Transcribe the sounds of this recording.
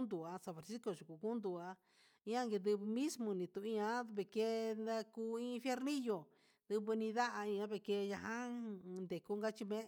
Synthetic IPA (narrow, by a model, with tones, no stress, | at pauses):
nd̪u˨a˧sa˧fa˨ɾsi˦ko˧˨ʒu˨ku˨ku˦nd̪u˨a˧ | ĩ˦ã˦ŋɡe˧d̪ɨ˧βɨ˧mĩ˦smõ˧nĩ˧t̪ũ˧˨ĩ˧ã˧˦˧βe˧˨ke˦˧na˧kuː˦˧ĩ˦˧fje˦ɾnĩ˦jo˨ | ð̥ɨ˧βɨ˧nĩ˧ða˦ʔa˧ĩ˧ã˦βe˧˨ke˧ja˧hã˦nd̪e˨ku˦ŋɡa˦t͡ʃi˧mẽ˦˧